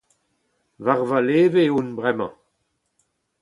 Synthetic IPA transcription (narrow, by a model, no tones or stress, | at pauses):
vaʁvaleːveunbʁɛmɑ̰̃